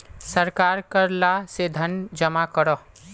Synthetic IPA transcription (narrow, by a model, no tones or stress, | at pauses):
səɾkaːɾkəɾlased̪ʱənd͡ʒəmakəɾɔ